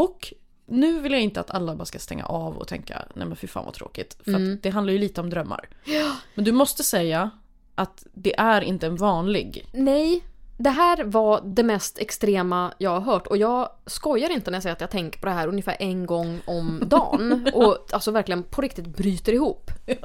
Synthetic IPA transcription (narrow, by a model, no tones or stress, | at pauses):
ɔk | nʉ̟ːvɪljaɪnt̪əa̰t̪ʰalːabɑːɾaskast̪ɛ̰ŋːa̰ʔɑvɔ̰t̪ʰɛ̰ŋka̰nɛ̰jmɛnfɪɾfa̰ːnva̰t̪ʰɾo̰ːkɪt̪fœɾat̪d̪ɛɦand̪aɾjɵliːt̪əɔmd̪ɾœmːa̰ɾmɛnd̪ɵmɔst̪əsɛjːa | ʔat̪d̪ɛʔæɾɪ̰nt̪əɛnvɑːnlɪɡnɛjd̪ɛɦæːɾvad̪ɛmɛst̪ɛkst̪ɾeːmajɑːɡhaɾɦœːʈːɔjɑːɡ | skɔjːaɾɪnt̪ənæjasɛjːɾat̪jat̪ʰɛŋkə̥ɾpɔd̪ɛɦæːɾɵnjɪfæ̰ːɾʔɛnɡɔŋːɔmd̪ɑ̰ːnʔɔalsɔvæɾklɪɡənpʰɔɾɪk̚t̪ɪt̪̚bɾyːt̪əɾɪhuːpː